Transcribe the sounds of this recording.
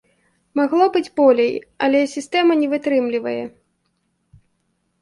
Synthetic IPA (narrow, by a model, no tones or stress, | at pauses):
maɣlˠɔbɨd͡zʲbɔlʲejɐlʲɛsʲist̪ɛmɐnʲɛvɨt̪ɾɨmlʲivɐjɛ